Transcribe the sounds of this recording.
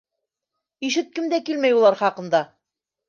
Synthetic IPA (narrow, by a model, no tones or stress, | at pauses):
iʃɘt̪̚kɘmd̪ækilmæjulˠɑɾχɑqɤ̆nd̪ɑ